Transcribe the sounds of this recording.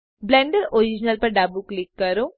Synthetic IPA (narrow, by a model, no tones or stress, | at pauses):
blẽɳɖəɾoɾid͡ʒnəlpɐɾɖaːbuklikːɐɾũ